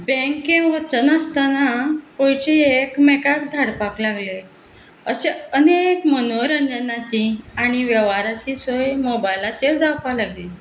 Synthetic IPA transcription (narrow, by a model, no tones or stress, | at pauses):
bɛ̃kːẽʋət͡ɕənəst̪anapojɕiekmekak̚d̪ʱaɽpaklaɡle | əɕeənekmənoɾəɲd͡zənat͡ɕiaɽ̃iʋjəʋaɾat͡ɕisojmobajlated͡zakʋalaɡli